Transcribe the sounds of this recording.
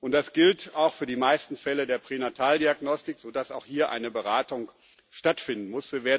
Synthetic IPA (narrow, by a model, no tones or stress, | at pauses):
ʔʊntd̥asɡ̥ɪltaʊxfyːɐdiːmaɪstn̩fɛlədeːɐpʁ̥eːnatʰaːldiaɡnɔstɪkz̥oːdasaʊxhiːɐʔa̰ɪnəbəʁaːtʊŋ | ʃtatfɪndn̩mʊsviːɐveːɐ